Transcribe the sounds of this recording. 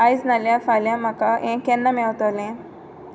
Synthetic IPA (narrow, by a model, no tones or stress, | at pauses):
ajsnaljãfaljãm̤akaʔẽkɛnːamɛwt̪alẽ